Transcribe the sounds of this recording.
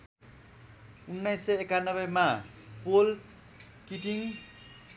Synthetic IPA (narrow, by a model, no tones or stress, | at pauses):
unːʌjsːʌekanʌbʌjma | pol | kiʈiŋ